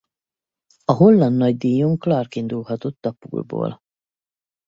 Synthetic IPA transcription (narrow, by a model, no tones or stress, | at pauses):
ɒɦo̞lːɒnd̪ːɒɟd̪iːjuŋklɒrkind̪ulɦɒt̪o̞t̪ːɒpṵːrbo̰ːl